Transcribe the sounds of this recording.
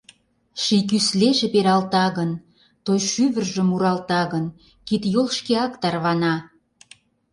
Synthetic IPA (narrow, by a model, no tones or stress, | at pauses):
ʃik̬ysleʒepeɾɑlt̪ɑɣən | t̪ojʃyβə̆rʒə̆muɾɑlt̪ɑɣən | kit̪jolʃkeɑkt̪ɑrβɑnɑ